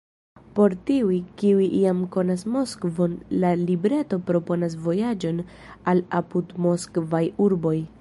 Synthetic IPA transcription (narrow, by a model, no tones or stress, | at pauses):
po̞ɾtiujkiujʔiamko̞nasmo̞skvo̞nlalibɾe̞to̞pɾo̞po̞nas̬vo̞jad͡ʒo̞n | alapudmo̞skvajuɾbo̞j